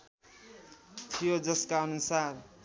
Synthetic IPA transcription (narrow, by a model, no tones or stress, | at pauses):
t̪ʰijod͡zʌskaʌnusar